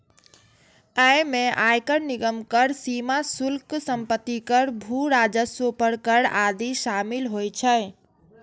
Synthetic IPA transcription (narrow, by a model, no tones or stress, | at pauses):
əjmeʔajkəɾniɡəmkəɾsimasulksəmpət̪ːikəɾbʱuɾad͡ʒəsopəɾkəɾad̪isamilɦojt͡ʃʰəɪ